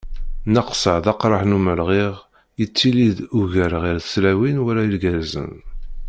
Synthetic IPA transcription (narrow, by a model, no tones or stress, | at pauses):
nəqsəʕðɑqɾˤɑħnuməlʁiʁ | jət͡sːiliðuʝəɾʁiɾθəslæwinwæɾæilɡæɾzə̰n